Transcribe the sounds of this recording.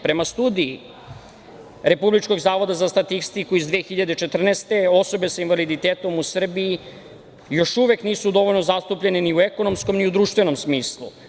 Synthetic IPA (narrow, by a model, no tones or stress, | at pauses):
pɾe̞mast̪uːd̪iː | ɾe̞publit͡ʃko̞ɡzaːʋo̞d̪azast̪at̪ist̪ikuizd̪ʋeːxiʎad̪e̞t͡ʃe̞t̪r̩neːst̪e̞o̞so̞be̞sainʋalid̪it̪eːt̪o̞musr̩bii | jo̞ʃuʋe̞kniːsud̪o̞ʋo̞ʎno̞zast̪upʎe̞niniueko̞no̞msko̞mniud̪ɾuːʃt̪ʋe̞no̞msmiːslˠṵ